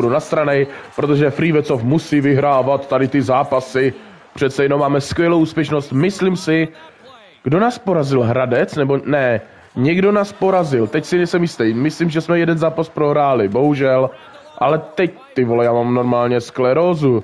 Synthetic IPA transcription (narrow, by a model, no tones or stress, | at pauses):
donast̪ɾanɛjpɾot̪oʒɛfɾiːvɛt͡sofmusiːvɪɦɾaːvat̪ːadɪt̪ɪzaːpasɪ | pr̝̥ɛt̪sɛjɛnomːaːmɛskvʲjɛlowʔuːspjɛʃno̞st̪mɪslimsɪ | ɡ̥do̞naːspo̞ɾazɪlɦɾadɛt͡snɛbo̞nɛ | ɲɛɡdo̞naːspo̞ɾazɪlt̪ɛcsɪnɛjsɛmjɪst̪ɛjmɪslimʒɛsmɛjɛdɛnzaːpaspɾoɦɾaːlɪbo̞ɦuʒɛl | ʔalɛt̪ɛc̚t̪ɪvolɛjaːmaːmno̞ɾmaːlɲɛsklɛɾozu